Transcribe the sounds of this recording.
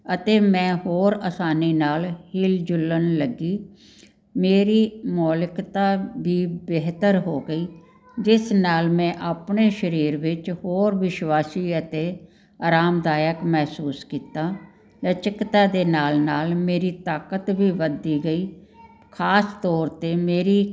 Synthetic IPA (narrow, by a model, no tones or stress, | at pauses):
ət̪eːmɛ̃ːɦoːɾəsaːniːnaːlhɪld͡ʒʊlːənləɡiː | meːɾiːmɔːlɪkt̪aːbiːbeɦt̪əɾɦoːɡəiː | d͡ʒɪsnaːlmɛ̃ːʔaːpɳeːʃəɾiːɾʋɪt͡ʃhoːɾʋɪʃwaːsiːət̪eː | aːɾaːmd̪aːjəkmɛɦsuːskiːt̪aː | lət͡ʃəkt̪aːd̪eːnaːlnaːlmeːɾiːt̪aːkət̪ʋiːʋəd̪iːɡəiː | kʰaːst̪ɔːɾt̪eːmeːɾiː